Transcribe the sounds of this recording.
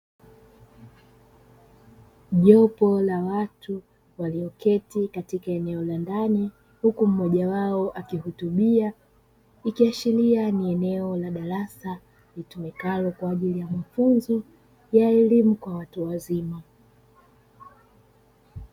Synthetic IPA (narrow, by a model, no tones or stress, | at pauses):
ʄɔpɔlawatu | waliɔkɛtikatikaɛnɛɔlandani | hukum̩mɔʄawaɔʔakihutuɓia | ikiat͡ʃilianiɛnɛɔlaɗaɾasa | litumɛkalɔkwaːʄilijamafunzɔ | jaɛlimukwawatuwazima